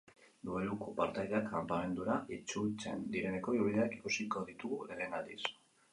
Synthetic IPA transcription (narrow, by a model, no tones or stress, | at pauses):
d̪uelukopaɾt̪ajðakʰampame̞nd̪uɾaʔit͡ʃut͡se̞̰nd̪iɾe̞ne̞ko̞iuβiðeaki̥kusiko̞ðit̪uɣuleɾenalḭs